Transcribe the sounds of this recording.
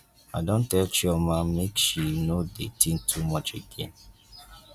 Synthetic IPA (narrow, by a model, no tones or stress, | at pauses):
adõntɛlt͡ʃiɔmãmekʃinodḛtĩŋtʰumɔt͡ʃeɡẽn